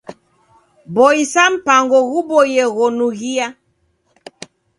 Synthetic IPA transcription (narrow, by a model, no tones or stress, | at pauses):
bɔisam̩paŋɡɔɣubɔjɛɣɔnuɣia